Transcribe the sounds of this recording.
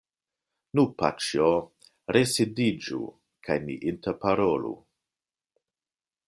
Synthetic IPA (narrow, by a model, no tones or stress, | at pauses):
nupa̰t͡ʃio | ɾesidid͡ʒṵ | kʰajnḭʔintepaɾolṵ